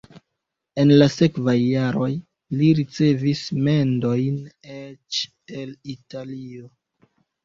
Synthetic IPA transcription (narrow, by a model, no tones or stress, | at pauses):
e̞nlase̞kvajːaɾo̞j | liɾit͡se̞visme̞ndo̞jnet͡ʃ | elitalio̞